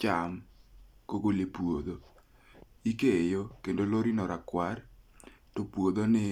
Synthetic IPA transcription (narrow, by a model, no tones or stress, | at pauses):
t͡ʃamkoɡolepwod̪o | ikejokendoloɾinɔɾakwartɔpwod̪onɪ